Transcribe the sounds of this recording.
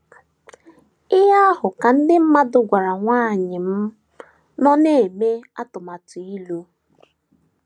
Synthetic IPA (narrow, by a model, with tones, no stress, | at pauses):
ɪ˦ɦa˦ɦʊ˨ka˨n̩˦dɪ˦m̩˦ma˦dʊ˨ɡʷa˨ɾa˨ŋʷaː˦˨ɲɪ˨m̩˦ | nɔ˦ne˦˨me˦a˦tʊ˨ma˨tu˨i˦lo˦